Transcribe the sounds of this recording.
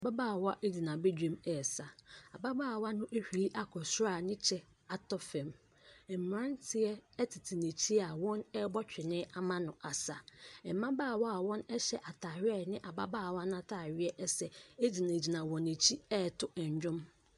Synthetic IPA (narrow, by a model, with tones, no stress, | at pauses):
a˨ba˦baː˦˨wa˦ʔe˦d͡ʑi˨nã˨be˦d͡ʑᶣẽ˦mɛ˨sa˨a˨ba˦baː˦˨wa˦nʊ̃˦ʔe˦hᶣi˨i˦ʔa˨kʰɔ˨sʊ˦ɾa˨nɪ̃˦t͡ɕʰɛ˦ | a˨tʰɔ˦fɛ̃˨m | ɛ˨m̩˨m˨ɾã˦ntʰɪ˨˦ɛ˦tʰɪ˨tʰi˨nẽ˨t͡ɕʰi˦a˨wɔ̃˦nɛ˦bɔ˦t͡ɕᶣɪ˨nɪ̃ː˦ʔa˦mã˦nʊ̃˨ʔa˨sa˨ɛ˨m˦mːã˦baː˦˨wɔ˦a˨wɔ̃˦nɛ˦ɕɛ˨ʔa˨tʰaː˨ɥɛ˦˨nɪ̃˦ʔa˨ba˦baː˦˨wa˦nʊ̃˦a˦tʰa˨ɥɪ˦ɛ˦ʔɛ˦sɛ˨e˦d͡ʑi˨nã˨d͡ʑi˨nã˨wɔ̃˨ne˨t͡ɕʰi˦ɛ˦˨tʰʊ˦ʔɛ˨ɲ˨d͡ʑᶣʊ̃˦m